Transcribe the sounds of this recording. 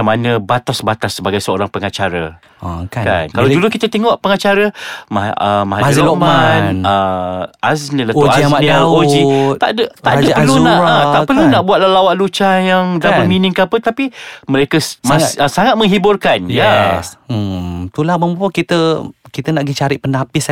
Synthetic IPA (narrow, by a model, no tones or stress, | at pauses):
manəbat̪asbat̪asːəbaɡajsəo̰ɾaŋpəŋat͡ʃaɾə̰ | kaka̰nkalawd͡ʒulukit̪ət̪eŋɔʔpəŋat͡ʃaɾəmaəmahaziolommanəasnələɔaamanod͡ʒit̪a̰dət̪aʔəpəlunaət̪aʔpərllunaʔbuat̪lahlawaʔlut͡ʃajaŋdabəminɪŋkəapət̪apiməɾekəmaəsaŋat̪̚mə̃ŋɦibʊrkanja | t̪ulahməmbupokit̪əkit̪ənaʔɡit͡ʃaɾɪʔpənapɪs